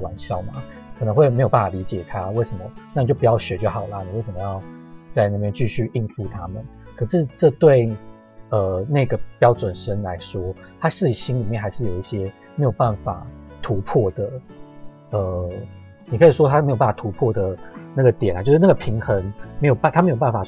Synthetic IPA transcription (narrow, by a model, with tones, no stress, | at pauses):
wa˧˦nɕjɑ˥˩ʊma̰˨˩ | kʰɤ˨nə˧˦ŋxwe˥˩ɪme˧˥jo˨˩p̬a˥˩fa˨˩li˧˥t͡ɕjɛ˨˩t̪ʰa˦we˥˩ɪʂə˨˩mə̰˦na˥˩i˨t͡ɕo˥˩pu˩˦jɑ˥˩ʊɕɥɛ˧˥t͡ɕɛ˥˩xɑ˨˩ʊlɐ˨˦ni˨˩we˥˩ɪʂə˩mə˩jɑ˥˧ʊt͡sa˥˧ɪna˥˩pjɛ˥nt͡ɕy˥˧ɕy˥˧˩i˥˧nfu˥˨˩t̪ʰa˦mə˨nkʰɤ˨˩ʂɻ̩˥˧ʈ͡ʂɤ˥˧t̪we˥˧ɪ | ə˩na˥˩ɡə˩pjɑ˥ʊt͡swə˨˩nʂə˦nla˧˦ɪʂwɔ˥ | t̪ʰa˥ʂɻ̩˥˩˨ɕi˥nli˨˩mjɛ˥˩nxa˧˥ɪʂɻ̩˥˩jo˨˩ʊi˥˩ɕjɛ˦˥ | me˧˥jo˨˩ʊpa˥˩nfa̰˨˩t̪ʰu˧˥pʰɔ˥˩d̪ə˩ | ə˩ | ni˨˩kʰɤ˧˥i˨˩ʂ̬wɔ˦t̪ʰa˥me˧˥jo˨˩pa˥˩fa˨t̪ʰu˧˥pʰwɔ˥˩d̪ə˩na˥˩ɡə˩t̪jɛ˨˩na˨˦t͡ɕo˥˧ʊʂɻ̩˥˩na˥˩ɡə˩pʰi˧˥ŋxə˧˦ŋme˧˥jo˨˩pa˥˩nt̪a˥m˧˥jo˨˩p̬a˥˩nfa˨˩